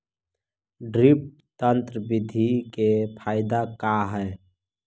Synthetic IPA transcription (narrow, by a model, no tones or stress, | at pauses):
ɖɾip̚ | t̪ənt̪ɾəbid̪ʱikepʰaːɪd̪akaɦɛː